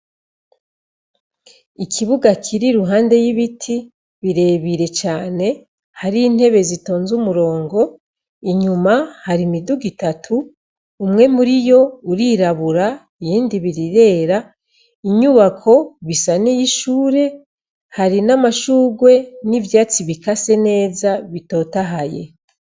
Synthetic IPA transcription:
ikʰiβuɡakʰiɾiɾuɦaːnde̞jiβitʰi | βiɾe̞βiɾe̞t͡ʃaːne̞ | haɾiːn̥he̞βe̞zito̞ːnzumuɾo̞ːŋɡo̞ | iɲumahaɾimiduɡitatʰuː | mŋe̞muɾijo̞uɾiɾaβuɾa | ijiːndiβiɾiɾe̞ːɾa | iɲuβakʰo̞βisanijiʃuːɾe̞ | haɾinamaʃuːɡwe̞nivjaːt͡siβikase̞ne̞ːzaβito̞ːtaɦaje̞̰

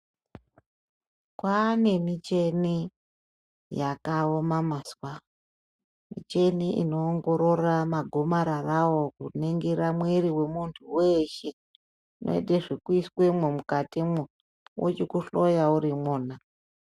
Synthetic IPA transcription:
kwane̞mit͡ʃe̞ni | jakaomamaswa | mḭt͡ʃe̞niʔḭno̞ːŋɡo̞ɾo̞ramaɡʱo̞maɾarawo̞kuneŋɡeɾamweɾiwe̞muntʰuweʃe | no̰ḛdeʐikuiswemwemukatimu | wo̰t͡ʃikuɬo̞jauɾimoːna

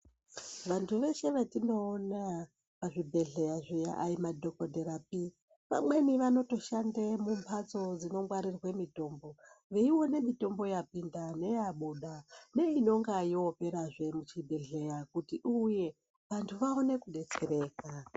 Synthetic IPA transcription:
ʋantʰuʋe̞ʃe̞ʋatino̞ːna | paʐibʱe̞ɮe̞jaʐija̰ʔaimadʱokodʱeɾap̚i | ʋa̰mwe̞niʋano̞to̞ʃandemumpʰat͡so̞d͡zino̞ŋɡwaɾirwe̞mito̞mbo̞ʋeiwo̞ne̞mito̞mbo̞japindane̞jaɓuɗane̞ino̞ŋɡajiope̞ɾaʐe̞mut͡ʃibʱe̞ɮe̞jakutiʔuje̞ | ʋantʰuʋaone̞kuɗe̞t͡se̞ɾe̞ːka

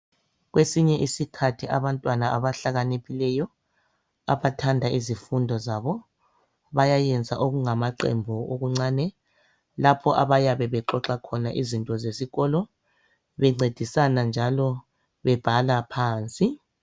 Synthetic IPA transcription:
ɣwesiɲɛʔisikʰatʰiʔaβantʼwanaʔaβaɬaɣanekilɛjɔ | a̰βatʰandʱaizifundʱɔzaβɔ | βajajɛnd͡zʱaʔoɣuŋamaǃḛmbʱuo̰ɣuŋ͡ǀaːnɛ | lapʰɔʔaβajaβɛβɛǃɔǁakʰɔnaʔizintʼɔzesiɣɔlɔ | βɛŋ͡ǀed̥ʱisanand͡ʒʱalɔ | βɛb̥ʱalapʰaːnt͡sʼi

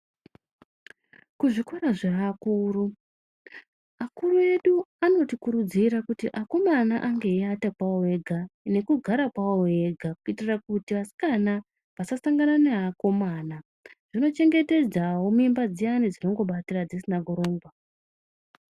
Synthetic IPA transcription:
kuʐikoɾaʐeakuːru | akurue̞ɗuano̞tikuɾud͡ziɾakutiʔako̞manaʔaŋɡe̞iatakwaoeɡʱane̞kuɡʱaɾakwaoe̞ɡʱakuitirakutiʋasi̥kana | ʋasasaŋɡananeɦako̞maːna | ʐ̥ino̞t͡ʃe̞ŋɡe̞te̞d͡zawo̞mimbad͡zijanid͡zino̞ŋɡo̞ɓatirad͡zisinakuɾo̞ːŋɡwa

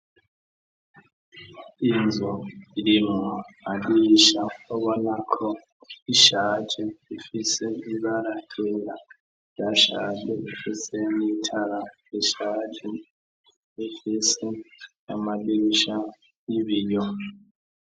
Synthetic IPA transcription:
ind͡zʱɔiliŋamaɓiʃaɔβɔnakʰɔ | iʃḁʒ̥ʱɛifisɛiɓalatɛla | jaʃa̰dɛifiseniitʰala | iʃad͡ʒɛ | ifisɛja̰maɓiʃa | iβiːjɔ

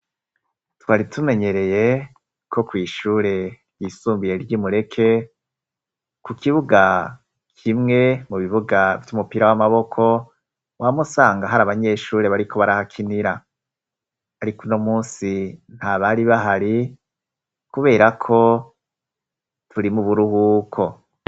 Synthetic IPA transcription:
twaːɾitʰume̞ɲe̞ɾe̞je̞ | kʰo̞kwiːʃuːɾe̞ | jisuːmbije̞ɾɟiːmuɾe̞kʰe̞ | kukiβuɡa | kʰimŋe̞muβiβuɡavjumupiːɾawamaβo̞kʰo̞ | wʔamusaːŋɡaɦaɾaβaɲe̞ːʃuːɾe̞βaɾikʰo̞βaɾahakʰiniɾa | aɾikuno̞muːnsin̥haβaɾiβaɦaɾi | kuβe̞ːɾakʰo̞ | tʰuɾimuβuɾuhukʰo̞

